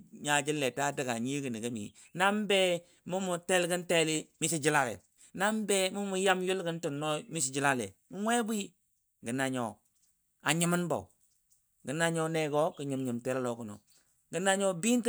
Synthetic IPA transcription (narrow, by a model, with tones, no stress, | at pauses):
ɲa˨d͡ʒi˦lːe˨ta˦də˨ɡa˨ɲi˦ɡə˨ni˨ɡə˦mḭ˨ | na˦mbe˦ | mu˦mu˨te˦lɡi˦n˦te˦li˦mi˦si˦d͡ʒi˦la˦kḛ˨ | na˦mbe˦mu˦mu˨ja˦mju˦lɡə˦n˦ti˨nːo˦mi˦si˨d͡ʒi˨la˦lḛ˨m˦ŋwe˦bu˦i˦ | ɡə˨na˨ɲo˨ | a˨ɲi˨˦mə˦nbo̰˨ | ɡə˨na˦ɲo˦ne˦ɡo˦kə˨ɲi˨mɲə˨mte˦ɾa˦˨lo˨˦ku˨no̰˨ | ɡə˦na˦ɲo˦bi˦nt